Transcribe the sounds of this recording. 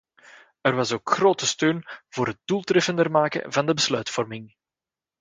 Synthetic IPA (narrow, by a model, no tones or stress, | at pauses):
ərʋɑsoːkxroːtəstøːnv̥oːɾɦət̚dulˠtrɛfəndərmaːkə̰vɑndəbəslœɥtfɔrmɪŋ